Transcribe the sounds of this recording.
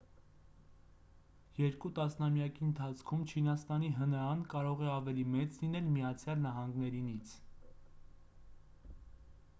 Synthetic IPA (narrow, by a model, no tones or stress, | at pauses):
jɛɾkut̪ɑsnɑmjɑkiənt̪ʰɑt͡sʰkʰumt͡ʃʰinɑst̪ɑniɦənɑɾɑnkɑɾɔʁɛɑvɛlimɛt͡slinɛlmijɑt͡sʰjɑlnɑɦɑŋɡnɛɾinit͡sʰ